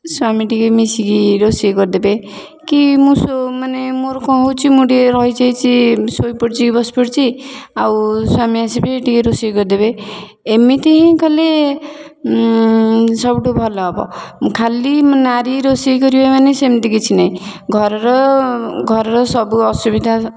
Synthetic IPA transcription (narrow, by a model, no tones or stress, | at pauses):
swamiʈikemisikiɾosieɡɔɾd̪ebe | kimũsomanemoɾkɔ̃ɦowt͡ʃʰimuɖieɾɔɦjt͡ʃʰajt͡ʃʰisojpɔɽt͡ʃʰibɔspɔɽt͡ʃʰiawswamiasibeːʈikeɾosiɡɔɾid̪ebe | emit̪iɦĩkale | sɔbʈubʱɔlɔːbɔ̰kʰalimnaɾiɾosikɔɾibemanesemt̪ikit͡ʃʰinaĩ | ɡʱɔɾɔɾɔɡʱɔɾɔɾɔsɔbuɔsubid̪ʱa